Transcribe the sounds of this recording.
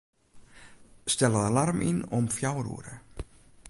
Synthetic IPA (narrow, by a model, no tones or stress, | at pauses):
stɛlədalarmʔḭnɔmfjawrṵəɾə̰